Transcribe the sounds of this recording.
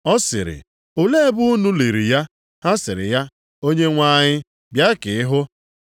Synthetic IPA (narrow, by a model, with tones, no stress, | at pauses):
ɔ˦sɪ̰˨ɾɪ̰˨ | ʊ˨le˦e˦bu˦nu˦li˨ɾi˨ja˦ | ha˦sɪ˨ɾɪ̰˨ja˦ | o˦ɲe˦ŋʷa˦˨ɲɪ˦ | bja˦kɪ˨ɪ˦ɦʊ˦